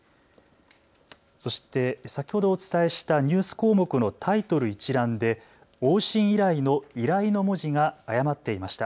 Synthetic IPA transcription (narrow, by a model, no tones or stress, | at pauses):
so̞ɕi̥t̪e̞sakʲi̥ho̞d̪o̞ːt͡sɨ̥t̪ae̞ɕi̥t̪aɲ̟ɨːsɨ̥ko̞ːmo̞kɯ̟no̞t̪ʰait̪o̞ɾɯ̟it͡ɕiɾãnd̪e̞ | oːɕĩɰ̃iɾaino̞iɾaino̞mo̞ʑiɡaːjamat̪ːe̞imaɕi̥t̪a